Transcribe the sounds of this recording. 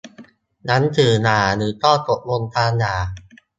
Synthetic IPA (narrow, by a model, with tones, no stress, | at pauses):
na˦˥nt̪ʰɯː˨˩naː˨˩nɯː˨˩˦t̪ɔː˥˩t̪o˨˩p̚wo˧nt̪ʰaː˧ŋjaː˨˩